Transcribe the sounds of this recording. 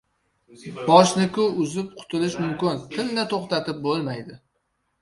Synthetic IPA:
bɒʃnɪkʲʰʊʊzɪp̚qʰʊ̥t̪ʰɪlɪʃmʊmkʲɪnt̪ʰɪlnɪt̪ʰoχt̪at̪ɪp̚bolˠmajd̪ɪ

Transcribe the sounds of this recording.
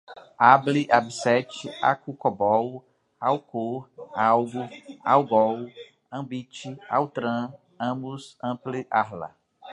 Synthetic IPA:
abliʔabisɛt͡ʃɪa̰kukɔbɔw | awkoɾawɡua̰wɡɔw | ɐ̃bit͡ʃɪa̰wt̪ɾɐ̃ | ɐ̃bʊsɐ̃pliʔahlɐ̰

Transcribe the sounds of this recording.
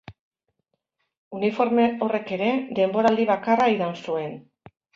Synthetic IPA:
unifo̞ɾme̞o̞re̞ke̞ɾe̞d̪e̞mbo̞ɾald̪iβakaraiðansue̞n

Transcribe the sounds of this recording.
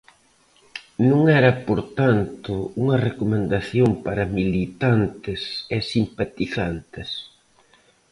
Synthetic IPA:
nũŋɛɾɐpoɾt̪ant̪ʊuŋɐrekomẽnd̪aθjoŋpaɾɐmilit̪ant̪ɪsesimpat̪iθant̪ɪs

